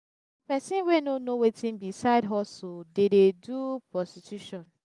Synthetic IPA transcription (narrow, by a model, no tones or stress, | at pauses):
pɛsĩnwenonowetĩnbisaɪdɦɔsodededupɹɔstitjuʃɔ̃n